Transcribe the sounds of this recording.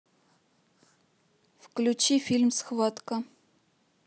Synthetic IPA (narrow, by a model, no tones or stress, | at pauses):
fklʲʉt͡ɕifʲilʲmsxvat̪kə